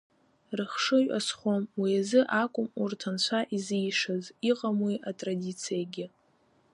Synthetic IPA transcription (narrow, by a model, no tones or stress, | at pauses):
rɨχʂɨʒa̰sχʷomwiazɨʔakʷʼʊmurtʰant͡ɕʷʰaʔizijʂɨziqʼamwiʔatʼradʲit͡sʰijaɡʲɪ